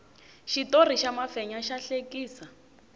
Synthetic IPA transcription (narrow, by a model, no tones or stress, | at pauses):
ʃitoriʃamafɛɲaʃaɬekʼiːsa